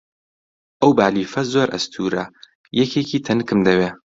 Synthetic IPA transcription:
ʔɐwbaːliːfɐzoːɾʔɐ̰st̪ʰuːɾɐ̰ | jɛkʰekiːt̪ʰɐnkɨmd̪ɐweː

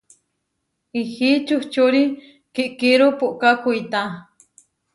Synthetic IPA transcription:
ihit͡ʃuht͡ʃuɾi | kiʔkiɾupuʔkakuit̪a

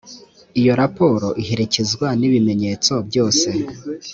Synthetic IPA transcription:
ijo̞ɾapo̞ːɾo̞ʔiɦeɾecezɡwaniβime̞ɲe̞ːt͡so̞bɟo̞ːse̞

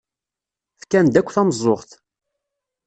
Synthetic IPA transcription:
fkːænd̪ækʷːθæməzˤːoʁθ

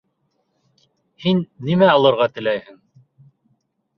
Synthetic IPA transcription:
hinːimæɑlˠɤ̆ɾʁɑt̪ɘ̆læjhɘŋ

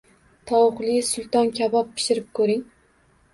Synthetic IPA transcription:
t̪ʰɒwʊqlˠɪsʊlˠt̪ɒnkʲʰabɒpʰːɪ̥ʃɪɾɪp̚kʰɵɾɪŋ

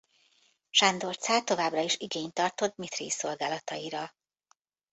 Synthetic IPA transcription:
ʃand̪o̞rt̪saːt̪o̞vaːbrɒiʃiɡeːɲt̪ɒrt̪o̞t̪mit̪rḭːso̞lɡaːlɒt̪ɒiɾɒ

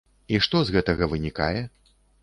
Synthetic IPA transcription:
iʂt̪ɔzɣɛt̪ɐɣɐvɨnʲika̰jɛ

